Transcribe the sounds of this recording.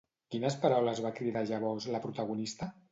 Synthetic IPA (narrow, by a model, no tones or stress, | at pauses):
kinəspaɾawləzβakɾiðaʒaβɔzləpɾut̪əɣunist̪ə